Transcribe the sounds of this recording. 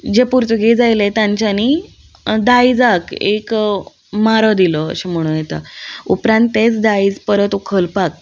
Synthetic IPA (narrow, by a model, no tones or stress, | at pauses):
d͡ʑepuɾt̪əɡid͡zajlet̪jãɲt͡ɕani | d̪aid͡zakḛk | maɾəd̪iləə̰ɕem̤əɽ̃uːnjet̪a̰upɾãnt̪ːet͡sd̪aiːd͡zpəɾət̪ukʰəlpak̚